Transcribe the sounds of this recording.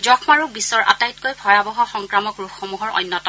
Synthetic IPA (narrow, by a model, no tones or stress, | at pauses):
zɔxʰmaɹubisɔɹʔa̰tajtkojbʱɔjabɔɦɔxɔŋkɹamɔkɹukʰːomuɦɔɹɔ̰jnːɔtɔ